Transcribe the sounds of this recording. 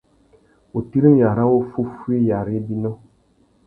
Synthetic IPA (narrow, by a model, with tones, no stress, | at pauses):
o˨ti˦ɾi˦m˦ja˨ɾa˦wo˦fu˦fu˦e˦ja˨ɾɪ˦bi˦na˦